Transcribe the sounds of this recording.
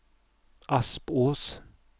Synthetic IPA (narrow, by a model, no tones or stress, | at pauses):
ʔɑspoːs